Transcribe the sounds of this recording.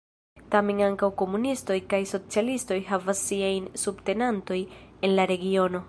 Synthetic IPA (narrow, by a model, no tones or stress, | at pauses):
tame̞naŋkawko̞munisto̞jkajso̞t͡sialisto̞jɦavasːiajnsubte̞nanto̞je̞nlaɾe̞ɡio̞no̞